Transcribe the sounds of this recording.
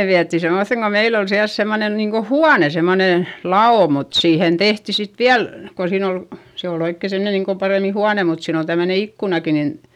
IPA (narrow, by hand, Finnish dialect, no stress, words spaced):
ne ʋiætːi semːoθeŋ ko meil ol siæls semːonen niːŋ ko huɑne semːone lɑoˑ mut siːhen tehti sit ʋiæl ko siːn ol se ol oikːe semne niːŋ kom pɑreˑmi huɑne mut siːn ol tæmːøne ikːunɑki nin